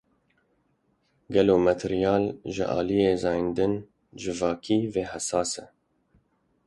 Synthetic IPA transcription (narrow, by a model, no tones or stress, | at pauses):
ɡɛloːmɛt̪ʰɪɾijɑːlʒɪ̰ʔɑ̰ːlijeːzɑːjind̪ɨn | d͡ʒɨvɑːkʰiːveːhɛsɑːsɛ